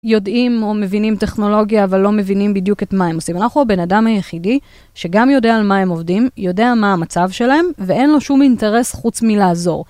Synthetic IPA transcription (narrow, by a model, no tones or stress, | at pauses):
jo̞dimo̞me̞vinimte̞χno̞lo̞ɡjaːvalːo̞me̞vinimbidjuke̞tmae̞mosimanaχuabe̞nadamhajeχidi | ʃe̞ɡamjo̞de̞aːlmae̞mo̞vdimjo̞deamaːmat͡savʃe̞lahe̞mvee̞nlo̞ʃuminte̞ʁe̞sχut͡smilaːzo̞ʁ